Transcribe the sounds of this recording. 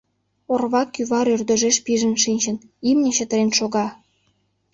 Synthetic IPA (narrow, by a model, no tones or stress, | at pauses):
orβɑkyβɑɾørd̪ə̆ʒeʃpiʒə̆nʃinʲt͡ɕə̆nimnʲĕɕət̪əɾenʃoɣɑ